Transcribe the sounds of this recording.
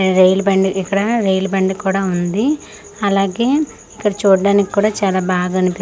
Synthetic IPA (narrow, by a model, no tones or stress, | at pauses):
ɾejlbɐɳɖikːɐɽɐɾejlbɐɳɖkuːɽaːund̪i | ɐlaːɡe̞ː | ikːɐɽɐt͡ʃuːɽɖaːnikʲi̥kuːɽaːt͡ʃaːlaːbaːɡaɐnipi